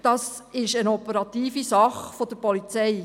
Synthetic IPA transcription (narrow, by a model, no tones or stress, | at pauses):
d̥ɑs | ɪʃənɔpəɾɑt̪iːfisɑχfod̥̪əɾpɔlit͡sɛɪ